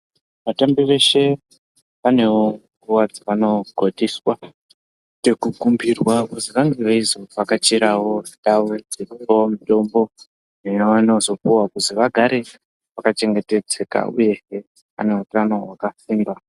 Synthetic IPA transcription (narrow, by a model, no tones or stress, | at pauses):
ʋatambiʋe̞ʃe̞ | ʋane̞woŋɡuʋad͡zaʋano̞ɡʱodʱiːswa | tekukumbirwakuziʋaŋɡeʋaizo̞ʋakat͡ʃiɾawo̞idaʋod͡ziripomito̞mbo̞ | nejoʋano̞zo̞puwakuziʋaɡʱaɾe̞ | ʋakat͡ʃe̞ŋɡe̞te̞d͡ze̞ka̰ṵje̞ʃe | a̰ne̞utano̞wakasiːmba